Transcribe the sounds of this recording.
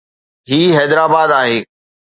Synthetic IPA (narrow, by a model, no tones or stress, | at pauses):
ɦiːɦɛːd̪ɾaːbaːd̪aːɦeː